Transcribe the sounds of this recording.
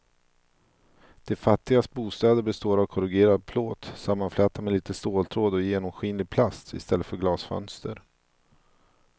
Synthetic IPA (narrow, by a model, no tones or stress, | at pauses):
d̪̥ɛfat̪ːɪɡast̪̚buːst̪ɛːd̪əɾbɛst̪oːɾavkʰɔɾɪɡeːɾad̪̚pʰloːt̪samːanflɛːt̪amɛliːt̪əst̪oːlt̪ʰɾoːd̪ɔjeːnɔmɧiːnlɪɡ̚pʰlast̪ɪ̰st̪ɛlːət̪fœɾɡlɑːsfœ̰nst̪əɾ